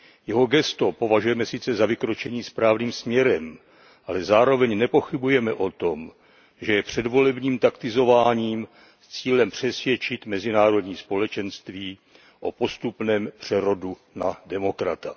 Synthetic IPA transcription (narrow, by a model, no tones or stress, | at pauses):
jɛɦo̞ɡɛst̪o̞po̞vaʒujɛmɛsɪt͡sɛzavɪkɾo̞t͡ʃɛɲiːspɾaːvniːmsmɲɛɾɛm | ʔalɛzaːɾo̞vɛɲnɛpo̞xɪbujɛmɛʔo̞t̪o̞m | ʒɛjɛpr̝̥ɛdvo̞lɛbɲiːmt̪akt̪ɪzo̞vaːɲiːm | st͡siːlɛmpr̝̥ɛsvjɛt͡ʃɪt̪mɛzɪnaːɾo̞dɲiːspo̞lɛt͡ʃɛnst̪viː | ʔo̞po̞st̪upnɛːmpr̝̥ɛɾo̞du | nadɛmo̞kɾa̰t̪a